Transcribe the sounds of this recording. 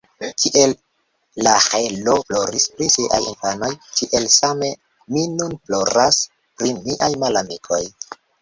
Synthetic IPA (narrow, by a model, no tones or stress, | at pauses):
kiʔe̞lː | aheloplo̞ɾispɾisiʔa̰jinfano̞jkiʔe̞lsame̞ | minunplo̞ɾas | pɾimiʔajmalamikʰo̞j